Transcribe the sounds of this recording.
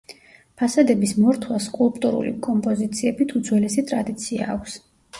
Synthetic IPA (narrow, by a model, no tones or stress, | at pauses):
pʰasad̪ɛbismɔɾt̪ʰwaskʼulˠpʼt̪ʼuɾṵlḭkʼɔmpʼɔzit̪sʰiɛbit̪ʰud̪zwɛlɛsit̪ʼɾad̪it̪sʰia̰ːkʰʷs